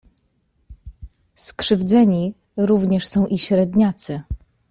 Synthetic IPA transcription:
skʂɘvd̪zɛɲi | ɾuvɲɛʂsɔ̃w̃ʔiɕɾɛd̪ɲat̪sɘ

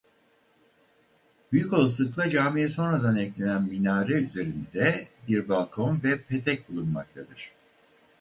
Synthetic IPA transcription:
byjyco̞lˠaslˠɯklˠad͡ʒaːmijɛso̞nɾad̪anɛclʲe̞nænminaːɾɛyze̞ɾind̪ɛbiɾbalˠkʰo̞nvɛpʰe̞t̪ʰɛc̚bulˠunma̰k̚t̪ʰad̪ɯɾ̥

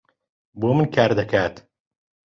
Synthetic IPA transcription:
boːmɨnkʰaːɾd̪ɐkʰaːt̪

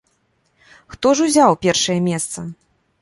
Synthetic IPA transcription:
xt̪ɔʐuzʲawpʲɛrʂɐjɐmʲɛst̪sɐ

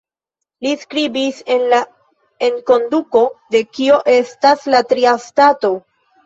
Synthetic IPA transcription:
liskɾibise̞nla | e̞ŋko̞nduko̞de̞kio̞ʔe̞staslatɾiastato̞

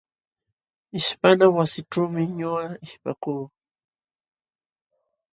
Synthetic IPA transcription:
ɪʃpanawasɪʈ͡ʂuwmɪɲʊɢaɪʃpa̰kuː

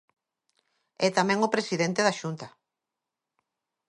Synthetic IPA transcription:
ɛt̪amɛ̃ŋopɾesiðɛnt̪eðaʃunt̪ɐ

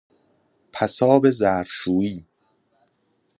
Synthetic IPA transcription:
pʰæsɒːbezæːɾʃuːiː

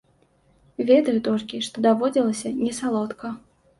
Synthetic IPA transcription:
vʲɛd̪ɐjut̪ɔlʲkʲiʂt̪ɔd̪avɔd͡zʲilˠɐsʲɐnʲɛsalˠɔt̪kɐ

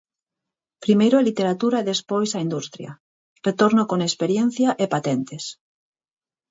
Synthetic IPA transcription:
pɾimejɾʊalit̪eɾat̪uɾaeðespojsaind̪ust̪ɾjɐ̰ | ret̪oɾnokoŋespeɾjɛn̟θjaʔepat̪ɛnt̪es

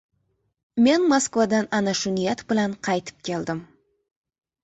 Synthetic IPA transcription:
me̞nmoskvad̪ɑnɑnɑʃʊnijɑt̪bɨlˠɑɴqʰɑjt̪ə̥p̚kʲʰe̞lˠd̪ɪm

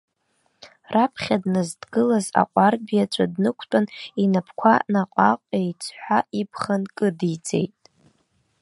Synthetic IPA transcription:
rapʰχʲadnɨzdɡɨlaza̰qʷʼarbijat͡ʃʷʰʼadnɨkʷʰtʼaninapʰkʷʰanaqʷʼaqʷʼejt͡sʰħʷaipʰχankʼɨdid͡zʼe̞̰jtʼ

